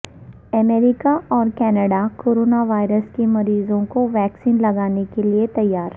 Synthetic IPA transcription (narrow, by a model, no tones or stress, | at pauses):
ɐmeːɾɪkaʔɔːɾkɛːnəɖakoːɾoːnaʋaːɪɾəskemɐɾiːzõkoʋɛːksiːnlɐɡaːnekeliet̪ɐjːaːɾ